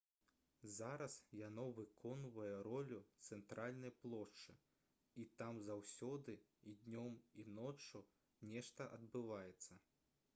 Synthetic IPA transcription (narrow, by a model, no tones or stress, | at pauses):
zaɾɐsjanɔvɨkʰɔnvɐjɛɾɔlʲut̪sɛnt̪ɾʔalʲnɐjplˠɔʂt͡ʂɨ | it̪amzawsʲɔd̪ɨ | id̪ʲnʲɔminɔt͡ʂu | nʲɛʂt̪ɐʔɐd̪̚bɨvajɛt̪sːɐ